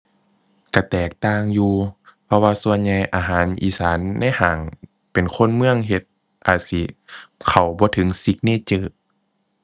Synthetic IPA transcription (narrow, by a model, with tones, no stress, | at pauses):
ka˧˩t̪ɛː˨˩k̚t̪aː˧˩ŋjuː˧pʰɔ˧waː˧su˧ənɲa˧jʔaː˨˩ɦaː˨˦nʔḭː˨˩saː˨˦nːa˧˥˨jhaː˨˦ŋ | pe˨˩nkʰo˧˥˨nmɯ˧əŋɦe˧t̪̚ | ʔaː˨˩t̪̚si˧˦kʰa˨˩wbɔː˧˦t̪ʰɤ˨˦ŋsi˧˦k̚neː˧˥˨t͡ɕɤː˧˩